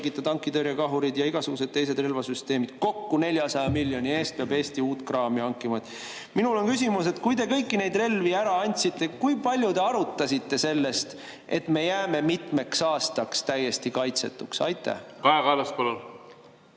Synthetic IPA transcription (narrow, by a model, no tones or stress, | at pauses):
ɡit̪ːˑɑd̪ɑŋkːˑid̪øɾjɑkɑɦuɾid̪̥jɑiɡ̥ɑsuɡ̥use̞d̪̚t̪e̞jse̞d̪re̞lvɑsyst̪e̞ːmid̪̥ko̞kːune̞lʲjɑsɑjɑmilːjo̞nʲie̞ːst̪̚peɑbe̞ːst̪iuːt̪krɑːmiɑŋkːˑimɑt̪ːˑ | minulo̞nkysʲimuse̞t̪kujd̪e̞kɤjkːine̞jd̪re̞lviæɾɑɑnʲt̪ʲsit̪ˑːe̞kujpɑlʲjud̪e̞ɑɾut̪ˑːɑsʲit̪ːe̞se̞lːe̞st̪ | e̞t̪me̞jæːme̞mit̪ˑme̞ksɑːst̪ɑkst̪æje̞st̪ikɑjt̪se̞t̪ːˑuksɑ̰jt̪ːˑæ̰kɑekɑlɑspolol